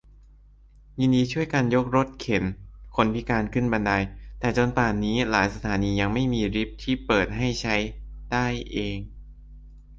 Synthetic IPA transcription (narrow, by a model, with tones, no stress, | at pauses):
jiː˧ndiː˧t͡ɕʰu˥˩əjkaː˧njo˦˥k̚ɾo˦˥t̪̚kʰe˩˦nkʰo˧˥npʰi˦˥kaː˧nkʰɯ˥˩nba˧nda˧jt̪ɛː˨˩t͡ɕo˧npaː˨˩niː˦˥laː˩˦jsa˧t̪ʰaː˩˦niː˧ja˧ŋma˥˩jmiː˧ɾi˦˥p̚t̪ʰiː˥˩pɤː˨˩t̪̚ɦa˥˩jt͡ɕʰa˦˥jdaː˥˩jʔeː˧ŋ